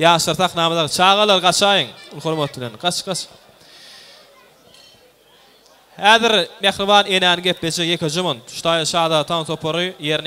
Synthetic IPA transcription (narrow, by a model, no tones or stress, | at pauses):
jɑːʃɑɾθɑqnɑːmɑðɑt͡ʃʰɑːʁɑlˠɑɾʁɑt͡ʃʰɑːjɯŋulxoɾmot̪blenqɑt͡ʃqɑt͡ʃ | hæːðiɾmæxɾɪvɑːne̞næːnɪŋɡʲeplet͡ʃejekʰʲed͡ʒomont̪ʃu̥t̪ʰɑːj̪ɑʃʰɑːd̪ɑt̪ʰɑːnt̪ʰo̞pʰoɾɯjeɾn